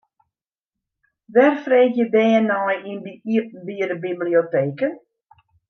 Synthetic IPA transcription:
ʋɛrfreːkjədɛːənɔjindiiəp̚n̩biəɾəbiblioteːkən

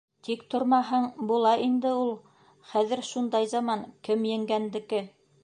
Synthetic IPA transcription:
t̪ikt̪ŏɾmɑɦɤɴbulˠɑʔind̪ɘulˠ | χæðɘ̆ɾʃund̪ɑjzɑmɑŋkɘmjɘ̆ŋɡænd̪ɘ̆kɘ

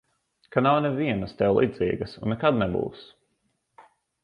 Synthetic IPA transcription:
kanawnɛviɛnəst̪ɛwlˠʔḭːd̪ziːɡɐsṵnːɛkad̪nɛbṵːs

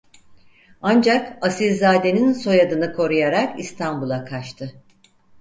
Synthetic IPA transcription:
and͡ʒakasilzaːd̪e̞ninso̞jad̪ɯnɯkʰo̞ɾujaɾakist̪ʰanbulˠakʰat͡ʃt̪ʰɯ

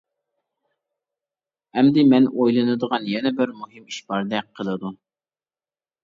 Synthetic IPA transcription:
ɛmd̪ɪmɛnʔojlˠɨnɨd̪əʁɑnjɛnɛbɪɾmuɦɨmiʃbɑɾd̪ɛk̚qʰːəlˠɨd̪u

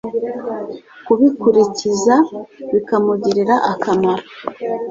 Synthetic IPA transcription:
kuβikuɾicizaβikamuɟiɾiɾaʔakamaɾo

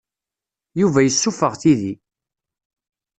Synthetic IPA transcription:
juvæjəsːufəʁθiði

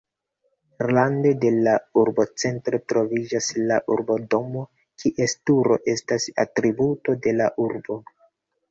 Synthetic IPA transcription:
eɾlande̞de̞lauɾbo̞t͡se̞ntɾo̞tɾo̞vid͡ʒaslaʔuɾbo̞do̞mo̞ | kʰiʔe̞stuɾo̞̰ʔe̞stasa̰tɾibuto̞de̞laʔuɾbo̞

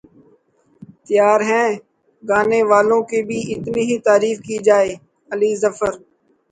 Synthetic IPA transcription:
t̪ɪjaːɾɦɛ̃ː | ɡaːneːʋaːlõːkebʱiːʔɪt̪niːɦit̪aːɾiːfkiːd͡ʒaːeː | əliːzəfəɾ

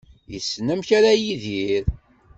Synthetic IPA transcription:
jḭsːnəmçaɾæjiðiɾ

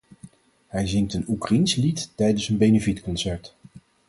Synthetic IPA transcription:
ɦɛjzɪŋktənukrainslittɛjdənsənbejnəvitkɔnsɛɹt

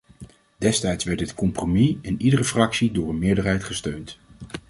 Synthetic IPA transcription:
d̥ɛstɛjtsʋɛɹdətkɔmpromiɪnidərəfrɑksidʊːɹənmɪːɹdəɹɦɛjtχəstøɥnt

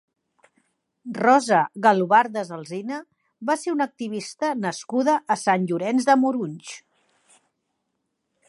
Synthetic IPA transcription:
rɔzəɣəluβaɾd̪əzəlˠzinə | βaseunək̚t̪iβist̪ənəskuðəʔːsanʲʎuɾɛnzðəmuɾuɲʲt͡ʃ

